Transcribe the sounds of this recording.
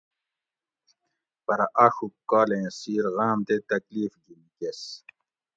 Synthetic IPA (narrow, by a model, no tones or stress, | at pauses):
pɐɾaʔɐxukːaːlẽsiːɾɣaːmt̪et̪ɐkliːfɡinikes